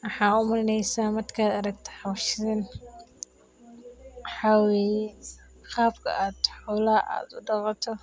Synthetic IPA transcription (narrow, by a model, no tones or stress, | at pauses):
wɑħɑːʊmɐɾɪnɛjsaːmɐd̪kʰaːd̪ɐɾɐɡ̚t̪ʰɐ̥ħɑwʃɪðɐn | ħɑwɛj | qɑːbkʰɐ̰aːd̪ħʊlaʔa̰ːd̪ʊɖɑqɑt̪ʰɔ